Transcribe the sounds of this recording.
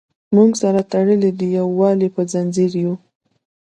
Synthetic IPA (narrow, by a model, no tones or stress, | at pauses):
muŋɡsaɾat̪aɽəled̪əjawːɑlipəzanziɾju